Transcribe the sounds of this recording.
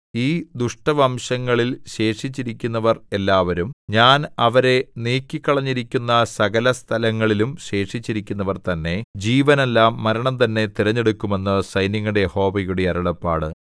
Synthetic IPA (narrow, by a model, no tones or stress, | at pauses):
iːd̪uʂʈɐʋɐmɕɐŋːɐɭilɕe̞ːʂit͡ɕːiɾikʲːunːɐʋɐre̞lːaːʋɐɾumɲaːnɐʋɐɾe̞niːkːikːɐɭɐɲːiɾikʲːunːɐsɐɣɐlɐst̪ʰɐlɐŋːɐɭilumɕe̞ːʂit͡ɕːiɾikʲːunːɐʋɐrt̪ɐnːe̞d͡ʑiːʋɐne̞lːaːmːɐɾɐɳɐmt̪ɐnːe̞t̪iɾɐɲːe̞ɽukʲːume̞nːɨsɐjniŋːuɽejeho̞ːʋɐjuɽeɐɾɐɽɐpːa̰ːɽɨ